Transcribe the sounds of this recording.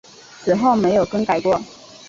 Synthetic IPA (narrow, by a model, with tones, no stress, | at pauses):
ʂɻ̩˨˩xo˥˩ʊme˧˥ɪjo˨˩ʊkə˥ŋka˨˩ɪkwɔ˥˩